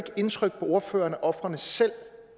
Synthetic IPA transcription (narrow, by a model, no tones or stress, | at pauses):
ɡ̥əe̝nt͡sʰʁœɡ̥̚pʰɒ̽o̝ːɐfø̰ːɐnəʔɒ̽fʁɐnəsel̰